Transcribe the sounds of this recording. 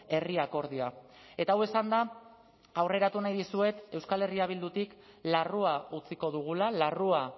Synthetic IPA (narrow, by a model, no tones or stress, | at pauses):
e̞riako̞ɾðiae̞t̪aːwe̞sand̪aː | wre̞ɾat̪unajðisue̞t̪e̞wskale̞riaβ̞ild̪ut̪ik | laruaut͡siko̞ðuɣ̞ulalarua